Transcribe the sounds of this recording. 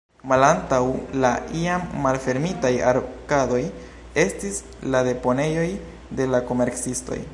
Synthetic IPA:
malantawlaʔiamːalfe̞ɾmitajaɾkado̞j | e̞stis | lade̞po̞ne̞jo̞j | de̞lako̞me̞ɾksisto̞̰j

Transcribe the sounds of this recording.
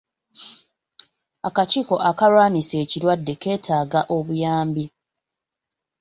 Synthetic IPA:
akaciːko̞ʔakaɾwaːnise̞ːciɾwadːe̞ke̞ːtʰaːɡaʔo̞βujaːmbi

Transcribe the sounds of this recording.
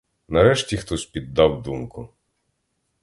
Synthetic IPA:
nɐɾɛʃtʲixt̪ɔsʲpʲid̪ːɑwd̪umkʊ

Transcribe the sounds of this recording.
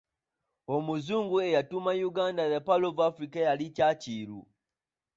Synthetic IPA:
omuzuːŋɡuejatumajuɡaːndajapalovuafɾikajalicaciɾṵ

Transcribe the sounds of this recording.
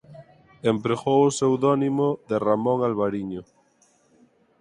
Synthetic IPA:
empɾeɣowʊsewðɔnimoðeramõŋalβaɾiɲo

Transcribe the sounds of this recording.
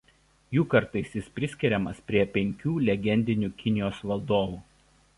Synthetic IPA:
juːkɐɾt̪ɐɪsʲjɪspʲɾʲɪsʲkʲɪɾʲɛmɐspʲɾʲiɛpʲɛŋʲkʲuːlʲɛɡʲɛnʲd̪ʲɪnʲuːkʲɪnʲɪjoːsʋɐlˠd̪oːʋuː

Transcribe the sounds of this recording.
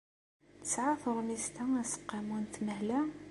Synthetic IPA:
θəsʕaθəɾˤmizt̪ææsə̥qːɑmunt̪məhlæ

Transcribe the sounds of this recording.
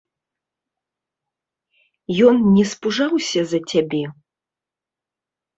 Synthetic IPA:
jɔnnʲɛspuʐawsʲɐzɐt͡sʲabʲɛ

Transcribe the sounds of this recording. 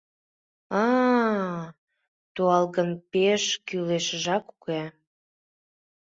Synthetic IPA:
ɑ | t̪uɑlɣənpeʃkyleʃəʒɑkuke

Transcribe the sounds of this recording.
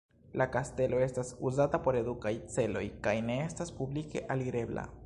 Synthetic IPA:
lakaste̞lo̞e̞stasuzatapo̞ɾe̞d̪ukajt͡se̞lo̞jkajne̞estaspublike̞̰ʔaliɾe̞bla̰

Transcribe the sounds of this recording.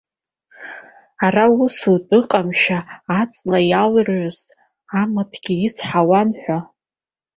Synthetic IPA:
arausutʼɨqʼamʃaːt͡sʼlajalroz | amatʰɡʲiisħawanħʷᶣa

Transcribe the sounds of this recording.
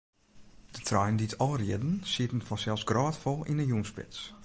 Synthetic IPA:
d̥ətʰrajənditʰɔlˠərjɪdn̩siətn̩fɔnsɛlˠsɡrɔːtfɔlˠinənjuənspɪ̰t͡s

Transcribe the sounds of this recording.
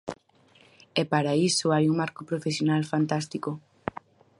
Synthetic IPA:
ɛpaɾaisoajuŋmaɾkopɾofesjonalfant̪ast̪iko

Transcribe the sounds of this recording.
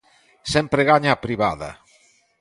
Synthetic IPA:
sempɾeɣaɲaːpɾiβaðɐ̰

